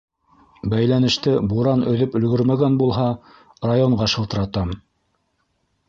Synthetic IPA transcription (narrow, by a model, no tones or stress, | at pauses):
bæjlænɘ̆ʃt̪ɘbuɾɑnɵ̆ðɵpɵ̆lɡɵɾmæɡænbulˠɦɑ | rajoɴɢɑʃɤ̆lˠt̪ɤ̆ɾɑt̪ɑm